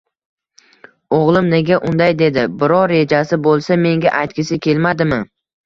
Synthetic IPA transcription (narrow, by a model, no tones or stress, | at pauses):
oʁlˠɪmne̞ɡʲaʔʊnd̪ajd̪e̞d̪ɪbɪɾɒːe̞d͡ʒasɪbolˠsame̞ŋɡʲaʔajt̪̚kʲɪsɪkʲʰe̞lmad̪ɪmɪ